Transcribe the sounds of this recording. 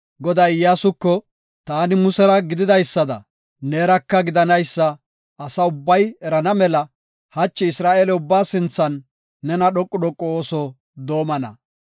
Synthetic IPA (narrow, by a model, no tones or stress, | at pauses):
ɡɔd̪ɐjjaːsʊkːɔ | t̪aːnɪmʊsɛɾɐɡɪd̪ɪd̪ɐjsːɐd̪ɐ̰ | neːɾɐkːɐɡɪd̪ɐnɐjsːɐː | sɐʊbːɐjɛɾɐnɐmɛlɐ | hɐt͡ʃːɪɪsɾaːʔeːlɛʊbːaːsɪnt͡sːɐnː | ɛnɐɗɔkʼːʊɗɔkʼːɔoːsɔ | d̪oːmɐnɐ̰